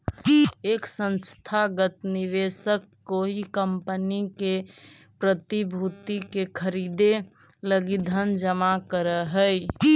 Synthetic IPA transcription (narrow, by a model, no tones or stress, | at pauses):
eksə̃nst̪ʰaɡət̪niʋesəkːoɦikəmpənike | pɾət̪ibʱut̪ikekʰəɾid̪e | ləɡid̪ʱənd͡ʒəmakəɾəɦəj